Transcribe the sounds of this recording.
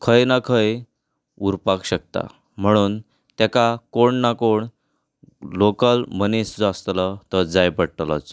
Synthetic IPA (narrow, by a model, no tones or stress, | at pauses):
kʰəjnakʰəj | uɾpakɕək̚t̪a̰ | m̤əɽ̃uːn | t̪jakakoɳnakoɳ | lokəlmənesd͡zast̪lət̪əd͡zajpəɽʈla̰t͡s